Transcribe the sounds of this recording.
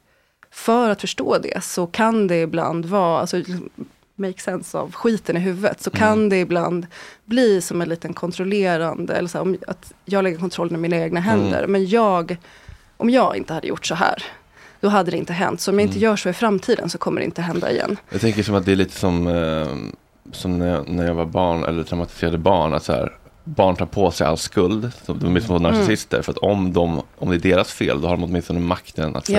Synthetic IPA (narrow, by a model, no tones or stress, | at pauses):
fœɾat̪fœʂʈo̰ːd̪ɛ̰sɔkʰand̪ɛɪbla̰nd̪vɑːa̰lsɔlɪksɔm | mɛjksɛnsa̰vɧiːt̪ənɪɦʉ̟ːvə̰t̪sɔkʰand̪ɛɪbland̪bliːsɔmɛnliːt̪ənkʰɔnt̪ʰɾɔleːɾand̪ə̰ɛlːəsæːɾɔma̰t̪jɑːɡlɛɡːəɾkʰɔnt̪ɾɔlːənɪminaeːɡnaɦɛnd̪ə̰ɾmɛnjɑːɡ | ʔɔmjɑːɡɪ̰nt̪əhad̪ːə̰jʊ̰ʈːsɔɦæ̰ːɾ | d̪̥ɔɦad̪ːəd̪ɛɪ̰nt̪əɦɛ̰nt̪sɔɔmjaɪnt̪əjœːʂoːɪfɾamːt̪ʰiːd̪ə̰nsɔkʰɔmːəɖɛ̰ɪ̰nt̪əɦɛnd̪a̰ɪ̰jɛ̰nːjɑ̰ɡt̪ɛŋkəʂɔmat̪̚d̪ɛæɭiːt̪ʰə̥sɔm | sɔmnæjnæɾjɑɡvabɑːɳɛ̰lːəʈʰɾaʊmat̪ɪ̥seːɾad̪əbɑːɳa̰t̪sɔhæ̰ːɾbɑːɳʈ̪ʰɑːɾpʰosɛja̰lskɵld̪sɔmd̪ɔmt̪mɪnst̪ɔnaʂɪsɪst̪ə̰ɾfœɾat̪ʰɔmd̪ɔmɔmd̪ɛæɖeːɾasfḛːld̪ɔhaɖɔmɔt̪mɪnst̪ɔnːəmakt̪ʰəna̰t̪